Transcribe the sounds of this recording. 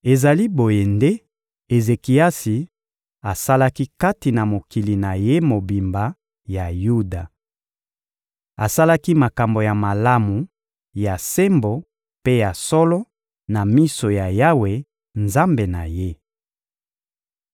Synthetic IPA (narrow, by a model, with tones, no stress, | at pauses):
e˨za˨li˦bo˨je˨nde˦ | e˨ze˨ki˨a˦si˨ | a˨sa˦la˦ki˦ka˦ti˨na˨mo˨ki˨li˨na˨je˦mo˨bi˨mba˨ | ja˨ju˦da˨ | a˨sa˦la˦ki˦ma˨ka˨mbo˨ja˨ma˨la˦mu˨ | ja˨se˦mbo˨ | pe˦ja˨sɔ˦lɔ˦ | na˨mi˦so˨ja˨ja˦we˨ | nza˦mbe˨na̰˨je˦